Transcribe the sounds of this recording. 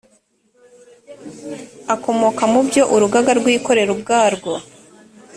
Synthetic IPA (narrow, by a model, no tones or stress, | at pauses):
ako̞moːkamubjo̞ʔuɾuɡaɡaɾɡwiːko̞ɾe̞ɾubɡaːɾɡo